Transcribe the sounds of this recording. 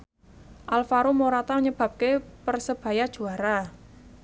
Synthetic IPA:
ʔalfaɾumoɾat̪aɲəb̥ä̤p̚kepərsəb̥ä̤jad̥ʒ̥ṳaɾa

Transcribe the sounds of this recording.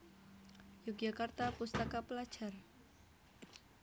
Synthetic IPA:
jukjakart̪apust̪akapəlad̥ʒ̥a̤r

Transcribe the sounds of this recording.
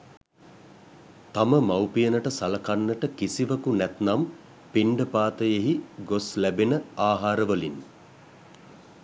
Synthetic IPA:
t̪aməmawpijənəʈəsalɐkanːəʈəkisiʋəkunɛt̪nam | piɳɖəpaːt̪əjeɦiɡoslæbinəaːɦaːɾəʋəlin

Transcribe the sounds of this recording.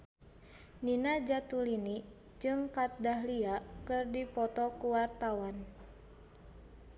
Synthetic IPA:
ninad͡ʒat̪ulini | d͡ʒɨŋkat̪̚daɦliakɨrdipɔt̪ɔkuwart̪awan

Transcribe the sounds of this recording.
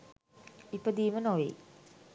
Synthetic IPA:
ipəd̪iːmənoʋḛː

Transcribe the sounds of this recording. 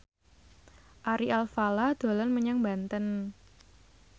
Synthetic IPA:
ʔaɾiʔalfalad̪̥o̤lanməɲaŋbant̪ən

